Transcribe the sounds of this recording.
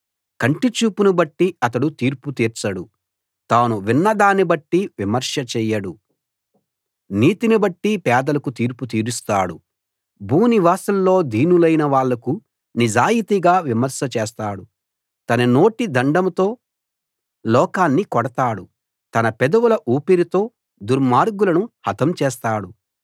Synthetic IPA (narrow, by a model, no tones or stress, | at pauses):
kɐɳʈit͡ʃuːpunubɐʈːiɐt̪ɐɽut̪iːɾput̪iːɾt͡ʃɐɽu | t̪aːnuʋinːɐd̪aːnibɐʈːiʋimɐɾʂɐt͡ʃɛːjɐɽu | niːt̪inibɐʈːipɛːd̪ɐlɐkut̪iːɾput̪̬iːɾust̪aːɽu | bʱuːniʋaːsɐmlo̞ːd̪ʱiːnulɐjnɐʋaːɭːɐku | nid͡ʒaːjit̪iɡaːʋimɐɾʃɐt͡ʃɛːst̪aːɽu | t̪ɐnɐno̞ːʈid̪ɐɳɖɐmut̪o̞ː | lɔːkaːnːikɔɽɐt̪aːɽu | t̪ɐnɐpɛd̪ɐwulɐʔuːpiɾit̪o̞ː | d̪uɾmaːɾɡulɐnuhɐt̪ɐmt͡ʃɛːst̪aːɽu